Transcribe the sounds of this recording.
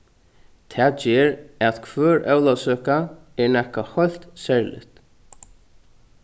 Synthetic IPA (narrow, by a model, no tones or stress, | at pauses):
t̪ʰɛːd͡ʒɛːɾaðkʰvœːɹʔœwlawsœːkaɛɹnɛhkahɔjl̥t̪sɛɹlɪ̰t̪